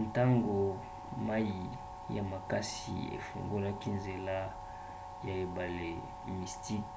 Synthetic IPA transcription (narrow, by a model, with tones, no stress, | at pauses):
nta˦ŋɡo˨ | ma˦ji˨ | ja˨ma˨ka˦sḭ˨ḛ˨fo̰˨ŋɡo˦la˦ki˦nze˨la˦ | ja˨e˨ba˨le˨ | mi˨sti˦k